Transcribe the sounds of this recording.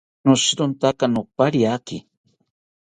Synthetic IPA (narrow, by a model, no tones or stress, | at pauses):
noʃɾʊnt̪akanʊpaɾjakɪ